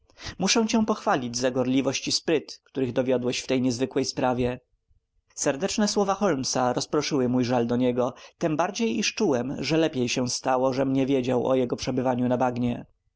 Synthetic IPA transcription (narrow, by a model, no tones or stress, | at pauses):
muʂɛw̃t͡ɕɛw̃pɔxfalʲid͡ʑzaɡɔɾlʲivɔɕt͡ɕispɾɘt̪kt̪uɾɘɣd̪ɔvʲjɔd̪wɛɕft̪ɛjɲɛzvɘkwɛjspɾavʲjɛ | sɛɾd̪ɛt͡ʂnɛswɔvaxɔlmsaɾɔspɾɔʂɘwɘmujʐald̪ɔɲɛɡɔt̪ɛmbaɾd͡ʑejiʂt͡ʂuwɛmʐɛlɛpʲjejɕɛw̃st̪awɔʐɛmɲɛvʲjed͡ʑawʔɔ̰jɛɡɔpʂɛbɘvaɲunabaɡɲɛ